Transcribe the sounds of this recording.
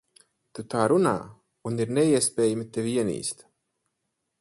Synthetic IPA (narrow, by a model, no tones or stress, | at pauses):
t̪ut̪aːɾuna̰ː | uniɾnɛiɛspɛːjamit̪eviiɛnḭːst̪